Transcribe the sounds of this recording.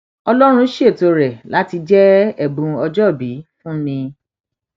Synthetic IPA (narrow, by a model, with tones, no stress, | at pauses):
ɔ˧lɔ˦ɾ̃ũ˧˦ʃi˦e˦˨to˧ɾɛ˨la˨˦ti˧d͡ʒɛ˦ɛ˨bũ˨˧ɔ˧d͡ʒɔ˦˨bi˨˦fũ˦nĩ˧